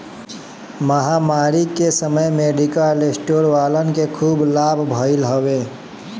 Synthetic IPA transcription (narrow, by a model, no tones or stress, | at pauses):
məɦamaːɾikesəməjmeɖikəlesʈoːɾʋaːlənkekʰuːblaːbʱbʱəɪlɦowe